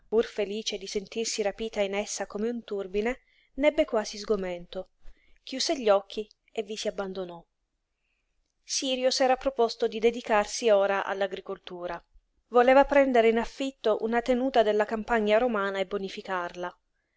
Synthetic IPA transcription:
purfeliːt͡ʃed̪isent̪irsiɾapiːt̪ainesːakomeunt̪urbine | nɛbːekwaːzizɡoment̪o | k̟juːseʎːɔkʰːi | evːisiabːand̪onɔ | siːɾjosɛːɾapɾopɔst̪od̪id̪ed̪ikarsioːɾaʔa̰lːaɡɾikolt̪uːɾa | voleːvapɾɛnd̪eɾeinafːit̪ːoʔṵnat̪enuːt̪ad̪elːakampaɲːaɾomaːnaebːonifikarla

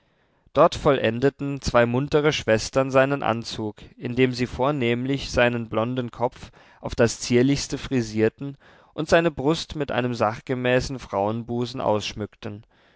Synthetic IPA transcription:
d̥ɔɐtfɔlʔɛndətn̩t͡sv̥aɪmʊntəʁəʃv̥ɛstɐnzaɪnənʔa̰nt͡suːkʔɪndeːmziːfoːɐneːmlɪçz̥aɪnənblɔndn̩kʰɔp͡f | ʔaʊfd̥ast͡siːɐlɪçstəfʁ̥iziːɐtn̩ | ʔʊntz̥aɪnəbʁʊstmɪtʔa̰ɪnəmzaχɡ̥əmɛːsn̩fʁ̥aʊənbuːzn̩ʔa̰ʊsʃmʏktən̩

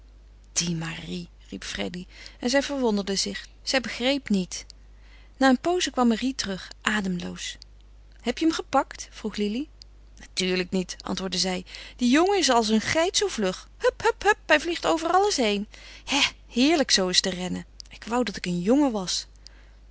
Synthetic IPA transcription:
d̥imari | ripfrɛ̰diɛnzɛjvəɹʋɔndəɹdəzɪχ | z̥ɛjbəχrejpnit | naːənpowzəkʋɑmːaritərɵχʔaːdəmlo̰ws | hɛpjəəmχəpɑktfruχlili | natyːɹləknitʔɑ̰ntʋʊːɹdəzɛjd̥ijoŋəɪs̬ɑlˠs̬ənχɛjtsowvlɵχhɵphɵphɵp̚ɦɛjvliχtowvərɑləsɦejnha | hɪːɹləksowɪstərɛnəɪkʋɑwdɑtɪkənjɔŋəʋɑs

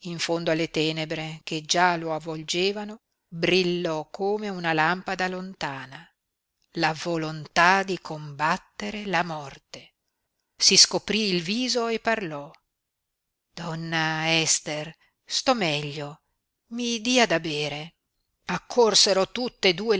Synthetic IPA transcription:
iɱfond̪oalːet̪ɛːnebɾeked͡ʒaloavːold͡ʒeːvano | bɾilːɔkʰːoːmeunalampad̪alont̪aːna | lavolont̪ad̪ikʰombat̪ːeɾelamɔrt̪e | siskopɾiːlviːzoepːarlɔ | d̪̥ɔnːaɛst̪er | st̪ɔmɛʎːo | mid̪iad̪abeːɾe | akʰːorseɾot̪ut̪ːed̪uːe

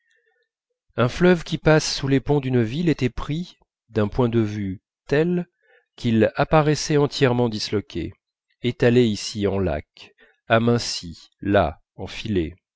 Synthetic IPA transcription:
ɛ̃flœvkʲipasːulepɔ̃d̪ynvilɛt̪ɛpχi | d̪ɛ̃pwɛ̃d̪əvy | t̪ɛl | kʲʰilapaʁɛsɛɑ̃t̪jɛʁmɑ̃d̪islɔkʲʰḛ | et̪aleisiɑ̃la̰k | amɛ̃si | la̰ | ɑ̃file

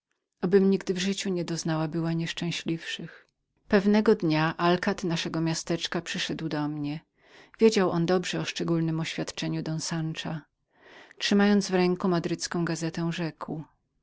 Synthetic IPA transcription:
ɔbɘmɲiɡd̪vʐɘt͡ɕuɲɛd̪ɔznawabɘwaɲɛʂt͡ʂɛ̃w̃ɕlʲifʂɘx | pɛvnɛɡɔd̪ɲaʔalkat̪naʂɛɡɔmʲjast̪ɛt͡ʂkapʂɘʂɛd̪wd̪ɔmɲɛ | vʲjed͡ʑawʔɔnd̪ɔbʐɛɔʂt͡ʂɛɡulnɘmɔɕfʲjat̪t͡ʂɛɲud̪ɔnsant͡ʂa | t͡ʂʂɘmajɔnd̪zvɾɛŋkumad̪ɾɘt̪skɔ̃w̃ɡazɛt̪ɛw̃ʐɛkw

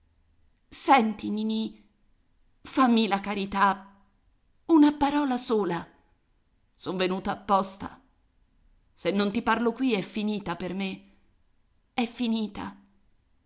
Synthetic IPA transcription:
sɛnt̪inini | famːilakaɾit̪a | unapaɾɔːlasoːla | sonvenuːt̪aːpːɔst̪a̰ | senːont̪iparlokwiɛfːiniːt̪aperme | ɛfːiniːt̪a̰

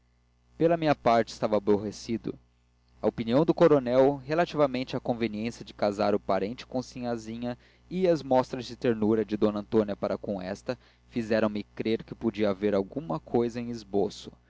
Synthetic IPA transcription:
pelɐmĩɲɐpaɾt͡ʃɪ̥st̪avɐːboɦesid̪ʊ̰ | ɐopiniɐ̃w̃d̪ʊkoɾonɛwɦelat͡ʃivɐmẽnt͡ʃɪakõveniẽsɐd͡ʒɪkazaɾʊpaɾẽnt͡ʃɪ̥kõsĩɲazĩɲɐ | iɐzmɔst̪ɾɐzd͡ʒɪt̪eɾnuɾɐd͡ʒɪd̪õnɐ̃nt̪õniɐpaɾɐkõw̃ɛst̪ɐ | fizɛɾɐ̃w̃mɪkɾeɾkɪpod͡ʒiɐːveɾawɡumɐkʰojzɐẽj̃izbosʊ̥

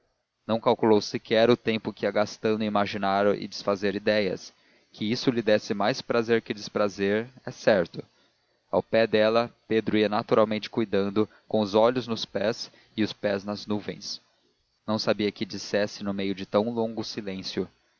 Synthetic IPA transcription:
nɐ̃w̃kawkulowsɪkʰɛɾʊt̪ẽmpʊkiɐɡast̪ɐ̃nd̪ʊɪimaʒinaɾɪ̰d͡ʒɪsfazeɾid̪ɛjɐ̰s | kʰɪisʊlɪd̪ɛsɪmajspɾazeɾkɪd͡ʒɪspɾazeɾɛsɛɾt̪ʊ | a̰wpɛd̪ɛlɐped̪ɾʊiɐnat̪uɾawmẽnt͡ʃɪ̥kujd̪ɐ̃nd̪ʊ | kõw̃ʊzɔʎʊznʊspɛs | ɪʊspɛznɐznuvḛ̃j̃s | nɐ̃w̃sabiɐkɪd͡ʒisɛsɪnʊmejʊd͡ʒɪt̪ɐ̃w̃lõŋɡʊsilẽsjʊ

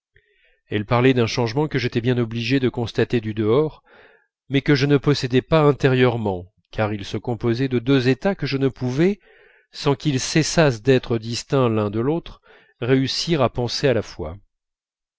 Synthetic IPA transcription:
ɛlpaʁlɛd̪ɛ̃ʃɑ̃ʒmɑ̃kəʒet̪ɛbjɛ̃nɔbliʒed̪əkɔ̃st̪at̪ed̪yd̪əɔʁ | mɛkəʒənəpɔsɛd̪ɛpaɛ̃t̪eʁjœʁmɑ̃ | kʰaʁilsəkɔ̃pozɛd̪əd̪øzet̪akəʒənəpuvɛ | sɑ̃kʲilsɛsas̬d̪ɛt̪χəd̪ist̪ɛ̃lɛ̃d̪əlot̪χ | ʁeysiʁapɑ̃sealafwa̰

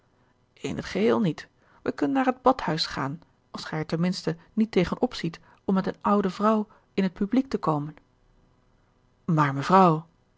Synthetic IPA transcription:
ʔɪ̰nə̰tχəɦɪːlˠnit | ʋəkɵnənːaːɹɦəd̚bɑthœɥsχa̰ːn | ɑlˠsχɛjɛɹtɛnmɪnstənitejχənʔɔpsit | ɔmːɛtənʌwdəvrʌw | ɪnɦət̚pyblik̚təkowmən | maːɹməvrɑw

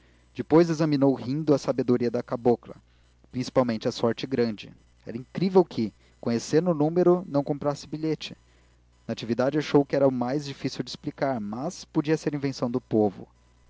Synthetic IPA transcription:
d͡ʒɪpojzezɐminowhĩnd̪ʊɐsabed̪oɾiɐd̪ɐkaboklɐ̰ | pɾĩsi̥pawmẽnt͡ʃɪɐsɔɾt͡ʃɪɡɾɐ̃d͡ʒɪ̰ | ɛ̰ɾɐĩkɾivewkʰɪ | kõɲesẽɾnʊːnũmeɾʊnɐ̃w̃kõmpɾasɪbiʎet͡ʃɪ̥ | nɐat͡ʃivid̪ad͡ʒɪaʃowkɪɛɾɐʊmajzd͡ʒifisiwd͡ʒɪsplikaɾmɐspod͡ʒiɐseɾĩvẽsɐ̃w̃d̪ʊpovʊ̰

